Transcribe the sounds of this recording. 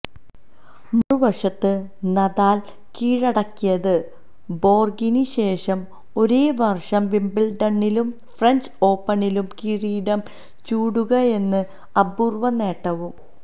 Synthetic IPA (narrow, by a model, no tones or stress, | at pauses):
muruʋɐʂɐt̪ːɨ | nɐðaːl | kiːɻɐɽɐkːijɐðɨ | bo̞ːrɡiniɕe̞ːʂɐm | o̞ɾeːʋɐrʂɐmʋimbilɖɐɳːilum | frɐɲd͡ʑo̞ːpːɐɳilumkiːɻiːɽɐm | t͡ɕuːɽuɣɐe̞nːɨ | ɐburʋɐne̞ːʈːɐʋum